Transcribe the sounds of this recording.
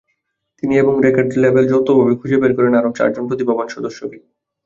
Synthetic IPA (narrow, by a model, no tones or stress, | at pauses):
t̪inieboŋɾekaɾɖilebeld͡ʑowt̪obʱabikʰud͡ʑebeɾkɔɾenaɾot͡ɕa̰ɾd͡ʑonpɾot̪̬ibabanʃɔd̪oʃːoke